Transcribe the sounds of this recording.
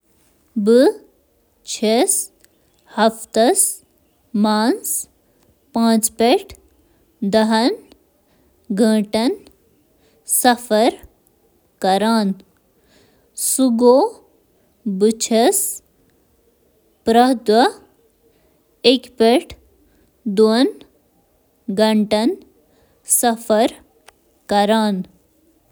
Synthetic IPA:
bɨ | t͡ʃʰes | hɐft̪ɐs | maːns | pãːt͡ʃpeʈ | d̪ɐɦɐn | ɡʱɐ̃ːʈɐn | sɐfʰɐɾ | kɐɾaːn | suɡoː | but͡ʃʰɐs | pɾɐd̪wɐ | ekpeʈ | d̪uən | ɡʱɐɳʈɐn | sɐfʰɐɾ | kɐɾaːn

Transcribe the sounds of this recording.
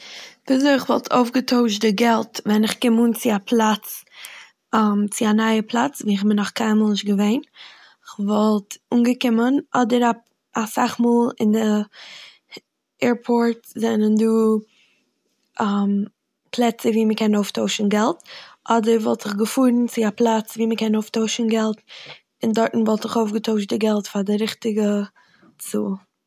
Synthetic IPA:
d̥ɪzoɪɪχvɔ̰lˠtʰo̰ʊfɡətʰoʊʃdɪɡɛlˠtvɛnɪχkɪmuːnt͡sɪapʰlˠat͡s | amt͡sɪanaɪəpʰlˠat͡sviːɪχbɪnɔχkʰaɪnmːlˠnɪʃt̚ɡəveɪn | ɪχvɔlˠtuːnɡəkɪmənɔdəɾa | asaχmɔːlˠɪ̰ndə | ɛːɹpʰɔɹtzɛnənduː | ʔam | plˠɛt͡səviːməkɛnoʊftoʊʃn̩ɡɛlˠtʔɔdəɾvɔlˠtz̥ɪχɡəfuːɾn̩t͡sɪaplˠat͡sviːməkɛnoʊftoʊʃn̩ɡɛlˠt | ɪndɔɾtn̩vɔlˠtɪχoʊfɡətoʊʃtdɪɡɛlˠtfadɪɾɪχtɪɡə | t͡sṵː

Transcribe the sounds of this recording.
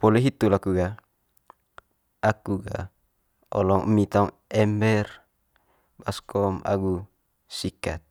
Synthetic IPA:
pɔlɛɦit̪ulakuɡa | akuɡa̰ | ɔlɔŋə̰mit̪aŋ | ɛmbɛr | baskɔma̰ɡu | sikat̪̚

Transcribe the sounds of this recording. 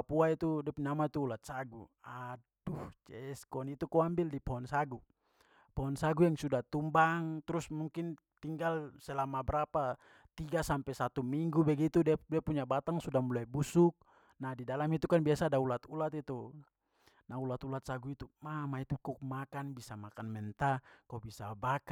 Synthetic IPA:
apuait̪udɛpuɲamait̪uːlat̪̚saɡṵa | duht͡ʃɛskɔnit̪ukɔambildipɔɔnsaɡu | pɔɦɔnsaɡujaŋsudat̪umbaŋt̪ɾusmuŋkin | t̪iŋɡalsɛlamabɛɾapa | t̪iɡasampɛsat̪umiŋɡubɛɡit̪uddiapuɲabat̪aŋsudahmulaibusuk̚ | nadidalamit̪ukanbiasadaulat̪ulat̪it̪u | naulat̪ulat̪̚saɡuit̪umamait̪ukɔmakanbisamakanmɛnt̪akɔbisabaka

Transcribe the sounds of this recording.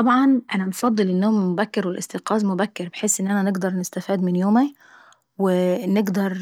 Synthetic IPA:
t̪ˤɑbʕɑnʔænæmfɑd̪ˤːɨlʔɪnːomæmʊbækːeɾwelʔɪst̪eqɑːzmʊbækːɪɾbeħeːsʔɪnːʔænænɪɡd̪ɑɾˤnɪst̪æfiːd̪mɪnjoːmæ | wɪnɪɡd̪ɑɾˤ

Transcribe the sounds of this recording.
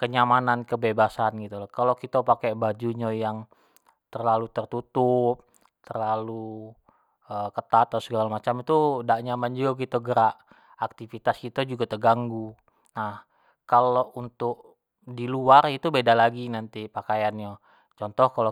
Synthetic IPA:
kəɲamanankəbebasanɡit̪ulakalokit̪apakɛbad͡ʒuɲajaŋ | t̪ərlalut̪ərt̪ut̪up̚ | t̪ərlalu | əkət̪at̪asəɡalamat͡ʃamit̪udaʔɲamand͡ʒuɡakit̪aɡəɾaʔ | ak̚t̪ifit̪askit̪ɛd͡ʒuɡat̪əɡaŋɡu | nah | kalount̪ʊk̚ | diluarit̪ubedalaɡinant̪ipakajanja | t͡ʃɔnt̪ɔhkalo

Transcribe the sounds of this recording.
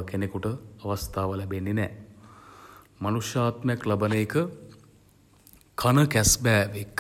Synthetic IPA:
kenekuʈəɐʋast̪ʰaːʋəlæbenːinɛː | manuʂjaːt̪məjɐklabɐnəekə | kʰanəkæsbɛːʋek

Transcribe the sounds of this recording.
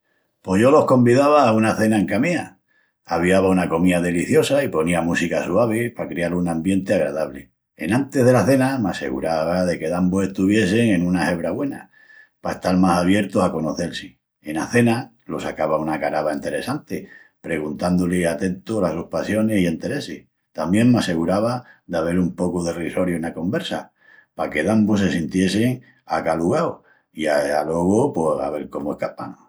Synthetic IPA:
po̞ʝolo̞hko̞mbiðaβaːunaθe̞naeŋkamia | aβiaβaunako̞miaðe̞liθjo̞saipo̞niamusikasuaβ̞epakɾealunãmbje̞nt̪eaɣɾa̰ðaβle̞̰ | ḛnãnt̪e̞ð̞e̞laθe̞namase̞̰ɣṵɾaβaðe̞ke̞ðamboe̞ht̪uβ̞je̞s̬e̞ŋẽ̞nũnahe̞βɾaβwe̞na̰ | paest̪aɾmasaβje̞ɾt̪osako̞noθe̞lsi | e̞naθe̞na | lo̞sakaβaunakaɾaβaint̪e̞ɾe̞sant̪e | pɾe̞ɣunt̪and̪oleat̪e̞nt̪olasohpasjo̞nesie̞nt̪e̞ɾe̞sih | t̪ambje̞ŋmease̞ɣuɾaβaðaβe̞ɾumpo̞kuðe̞riso̞ɾjoenako̞mbe̞ɾsa̰ | pake̞ðambos̬e̞sint̪je̞seŋ | akaluɣao | iaalo̞ɣopweha̰βe̞ɾko̞moehkapano

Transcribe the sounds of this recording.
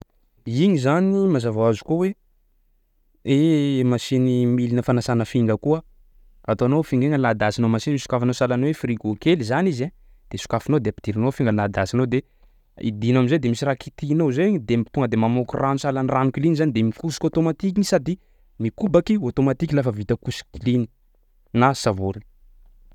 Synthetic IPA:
iɲizanimazavaazu̥kowe | emasinimilinəfanasanəfiŋɡəkuə | at̪oanofiŋɡeŋənlad̪asinomasinisu̥kafanosalanowefriɡokelizaniza | d̪̥esu̥kafinod̪eapid̪iɾinofiŋɡənlad̪asinod̪e | ḭd̪inaminzed̪emisiɾakit̪inozeɲd̪emit̪uŋɡəd̪emamokurʔanusalanranukilinizanid̪emikusi̥kʲot̪omat̪ik̬inisad̪i | mikubakiot̪omat̪ikilafəvit̪əkusi̥kilini | nasavoɾi

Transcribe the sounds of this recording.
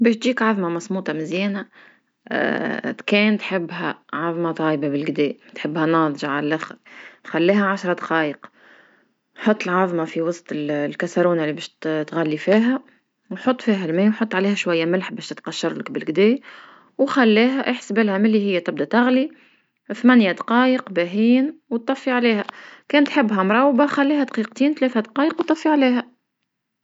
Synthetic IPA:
bɛːʃt̪ʒiːkʕɑðˤmɑmɑsˤmuːt̪ˤɑmɪzjɛːnæ̰ | t̪kɛːnt̪ħɪbːɦæʕɑðˤmɑt̪ˤɑːjbabɪlɡd̪ɛːt̪ħɪbːhænɑːðˤʒɑʕallʔaxɾxælːiːhæʕaʃɾˤɑd̪qɑːjəq | ħot̪ˤːəlʕɑðˤmɑfiwɑsˤt̪ˤɪllkæsaɾuːnalːibɛːʃt̪t̪ɣælːifiːɦæ | wħot̪ˤːfiːɦælmɛːwħot̪ːˤʕaleːhæʃwæjːæmɪlħbɛːʃt̪ɪt̪qɑʃːɑɾˤləkbɪlɡd̪ɛː | wxælːiːɦæʔəħsbɪlhæmɪlːihɪjːæt̪ɪb̚d̪æt̪ɑɣli | θmænjad̪qɑːjəqbæɦiːnwt̪ˤːɑfːiʕaleːɦækɛːnt̪ħɪbːɦæmɾˤɑwbaxælːiːhæd̪qiq̚t̪iːnt̪læːθæd̪qɑːjəqwt̪ˤːɑfːiʕaliːɦæ

